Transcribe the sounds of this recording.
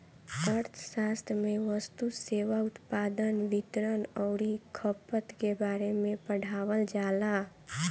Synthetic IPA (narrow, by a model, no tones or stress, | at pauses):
əɾt̪ʰʃaːst̪ʰjmẽʋəst̪useːʋaʊt̪paːd̪ənʋɪt̪ɾənɔʊɾikʰəpət̪kebaːɾemẽpəɽ̤ʱaːwəld͡ʒaːla